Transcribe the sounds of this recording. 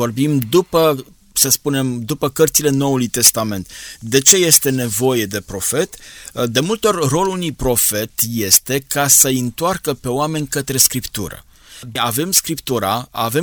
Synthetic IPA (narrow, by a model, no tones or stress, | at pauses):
vo̞rbimd̪upə | səspune̞md̪upəkərt̪sile̞no̞ulujt̪e̞st̪ame̞nt̪d̪e̞t͡ʃe̞je̞st̪e̞ne̞vo̞je̞d̪e̞pɾo̞fe̞t̪d̪e̞mult̪o̞rro̞lunujpɾo̞fe̞t̪je̞st̪e̞kasəɨnt̪oarkəpe̞oame̞nʲkət̪ɾe̞skɾipt̪ṵɾə̰ | ave̞mskɾipt̪uɾaa̰ve̞